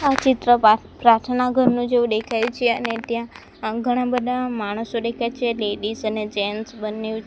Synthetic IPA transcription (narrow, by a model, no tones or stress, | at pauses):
at͡ʃɪt̪ɾə | pɾaʈ̪ʰənaɡʱəɾnũd͡ʒeũd̪ekʰajut͡ʃʰeə̰net̪jã | ɡʱəɽ̃ãbəd̪ʱamaɽ̃əsod̪ekʰajt͡ʃʰeleɖisəned͡ʒɛnsbəniũt͡ʃʰ